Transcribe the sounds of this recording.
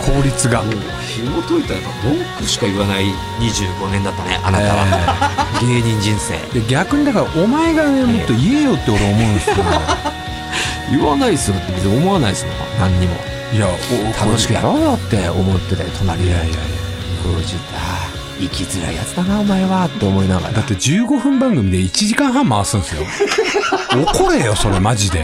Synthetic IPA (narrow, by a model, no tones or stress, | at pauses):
kʰo̞ːɾʲit͡sɨɡa | çimot̪oit̪aakad̪okːɯ̟ɕi̥kaɯβanai | ɲ̟iʑɨːɡo̞nẽ̞nd̪at̪ːanḛʔanaet̪aβa̰ | ɡe̞ːɲĩɲ̟d͡ʑĩɰ̃se̞̰ːjaɡʲakɯ̟ɲ̟id̪akaɾaʔomae̞ɡamot̪ːo̞ie̞jo̞t̪ːe̞o̞ɾeomo̞ɯ̃nd̪esskeo | jɯβanaisɨjot̪ːebezɨomoanaisɨnona̰nãɲ̟ːimo̞̰ | jaokt̪ʰaoɕi̥kɯjaɾo̞ːjo̞t̪ːe̞omo̞t̪ːe̞t̪et̪ʰo̞naɾʲijaia̰i | ɡoʑit͡sa | ikʲizɨɾa̰ija̰t͡sɨd̪anaomaeβat̪ːe̞o̞mo̞inaɡa̰ɾd̪at̪ːe̞d͡ʑɨːɡo̞ɸɯ̟̃mbãŋɡɯ̟mʲid̪e̞it͡ɕiʑikãɰ̃ɦãmːaasɨ̃nsɨjo | oko̞ɾejo̞so̞ɾe̞maʑid̪e̞̰